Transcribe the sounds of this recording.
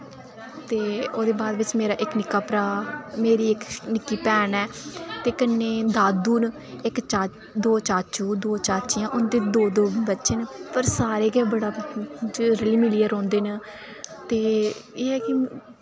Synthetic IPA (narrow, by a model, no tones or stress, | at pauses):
t̪eːoːd̪eːbaːd̪ʋɪt͡ʃmeːɾaːʔɪknɪkaːpɾaːmeːɾiːɪknɪkːiːpɛːnɛːt̪eːkənːeːd̪aːd̪uːn | ɪkt͡ʃaː | d̪oːt͡ʃaːt͡ʃuːd̪oːt͡ʃaːt͡ʃijãːʔʊnd̪eːd̪oːd̪oːbətːʃeːnpəɾsaːɾeːkɛːbəɽaː | ɾəliːmɪliəɾɔ̃ːnd̪eːnː | t̪eːeːki